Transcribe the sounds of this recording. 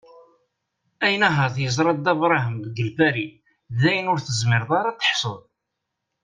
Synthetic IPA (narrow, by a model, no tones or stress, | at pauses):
æjənæɦæθjəzˤɾˤɑd̪ævɾˤɑɦəmðɡəlfæɾi | ðæjənʊɾθəzmɪɾðˤɑɾˤɑt̪ːə̥ħsˤoðˤ